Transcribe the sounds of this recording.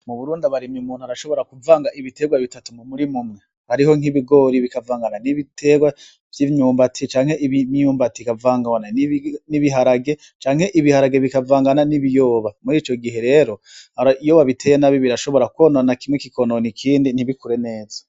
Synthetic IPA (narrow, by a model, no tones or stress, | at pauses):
muβuɾuːndaβaɾimjiumuːn̥uhaɾaʃo̞βo̞ɾakuvaːŋɡaʔiβite̞ːɡwaβitatumumuɾimumŋe | haɾiɦo̞ŋ̥iβiɡo̞ːɾiβikavaːŋɡananiβitʰe̞ɡwa | v̥jiɲuːmbatʰit͡ʃaːŋhe̞ʔiβɲɲuːmbatikavaːŋɡawananiniβiɦaɾaɡe̞ | t͡ʃaːŋhe̞ʔiβihaɾaɡe̞βikavaːŋɡananiβijo̞ːβamuɾiːt͡ʃo̞ɡiɦe̞ɾe̞ːɾo̞haɾaijo̞ːβaβitʰe̞jenaβjiβiɾaʃo̞βo̞ɾakuononakimŋwekikʰononikʰiːndiniβikuɾe̞ne̞ːzḁ